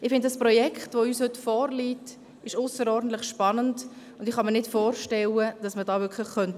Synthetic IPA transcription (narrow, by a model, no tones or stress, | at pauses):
ɪχfɪnddɑsprɔjɛkχtʋoyːshʏtfɔːrliːt | ɪʃʊsəɾɔːɾdn̩tlɪχʃpɑnənd | ʊnd̥ɪχɑmənɪtfoːrʃtɛləd̥ɑsməd̥ɑːvʏkʰlɪχːœnt